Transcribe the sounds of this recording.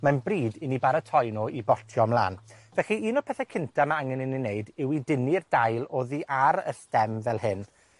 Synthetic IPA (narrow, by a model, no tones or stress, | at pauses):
manbriːdɪnibaɾətʰɔjnɔʔibɔrtʰjɔmlˠa̰ːnvɛχiiːnɔpʰɛθɛkʰɪntʰamaaŋɛnɪnineɨdɪwidɪnird̥ajlˠoːðiʔaɾə̰stɛmvɛlˠhɨn